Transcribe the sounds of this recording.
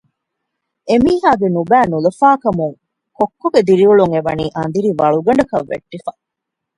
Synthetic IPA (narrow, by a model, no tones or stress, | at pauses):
emiːɦaːɡenubæːnulɐfaːkɐmuŋ | kokːoɡed̪iɾiuɭuŋeʋɐniːʔɐnd̪iɾiʋɐɭuɡɐɳ̆ɖɐkɐʋːḛʈːifɐ